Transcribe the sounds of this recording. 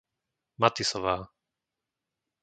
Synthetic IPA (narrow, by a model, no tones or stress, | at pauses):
mat̪isɔʋaː